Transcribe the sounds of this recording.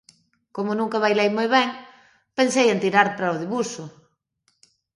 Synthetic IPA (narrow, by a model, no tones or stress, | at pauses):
komʊnũŋkaβ̞ajlejmojβɛŋ | pensejent̪iɾaɾpɾaoðiβusʊ